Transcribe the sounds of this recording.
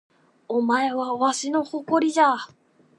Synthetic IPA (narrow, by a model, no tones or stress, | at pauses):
omaeβaβaɕino̞hoko̞ɾʲid̪a